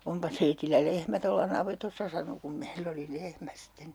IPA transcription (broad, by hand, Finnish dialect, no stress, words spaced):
ompɑ teitilːæ lehmæ tolːɑ nɑʋetosːɑ sɑno kum meilː oli lehmæ sitːen